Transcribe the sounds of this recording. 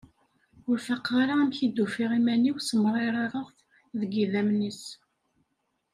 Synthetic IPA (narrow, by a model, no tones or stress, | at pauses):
ʊɾfɑqːɑɾaæmçid̪ːufiʁimæniwsəmrˤeɾˤɑɾˤəʁθ | ðəɡiðæmnis